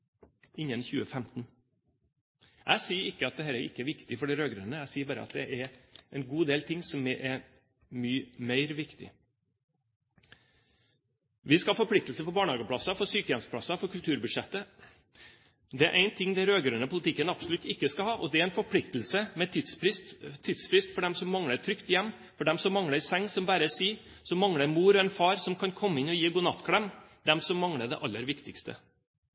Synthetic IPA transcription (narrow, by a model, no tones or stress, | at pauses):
ɪnːənçʉːəfɛmt̪n | ʔæ̰ɪsiːəɾɪkːəɑt̪̚d̪ɛhæːɾæɾɪkːəæɾʋɪkt̪ɪfɔɖiːɾøːɡɾœnəæɪsiːbɑːɾə̰ɑ̰t̪̚d̪ɛʔæɾæɪnɡuːd̪eːlt̪ʰɪŋːsɔmɛʔɛ | myːmæɪɾʋɪkt̪ɪ̰ | ʋɪskɑhɑfɔɾpʰlɪk̚t̪lsəpɔbɑːɳhɑːɡəpʰlɑsːɑfɔɾsyːkəjɛnspʰlɑsɑfɔɾkʉlt̪ʰʉːɾbʉd̪ʂɛt̪ːə | d̪ɛæɾʔæɪnt̪ʰɪŋːd̪ɛɪɾøːɡɾœnəpʰʊlɪt̪ʰɪkːənɑbsɔlʉt̪ːɪkːəskɑhɑːʔɔd̪ɛææɪnfɔɾpʰlɪkt̪əlsəmɛt̪ʰɪsɪst̪ʰːiːd̪sfɾɪst̪fɔɖɛmsɔmːɑŋɽəɾt̪ʰɾʏkt̪jɛmː | fɔɖɛmsɔmːɑŋɽəɾsɛŋːsɔmbæːɾəsiː | sɔmːɑŋɽəɾmuːɾɔɛnfɑːɾsɔmkʰɑnkʰɔmːəɪnɔjiːɡuːnɑt̪ːkʰɽɛmd̪ɛmsɔmːɑŋɽəd̪ɛ̰ʔɑlːəɾʋɪkt̪ɪkst̪ʰə̰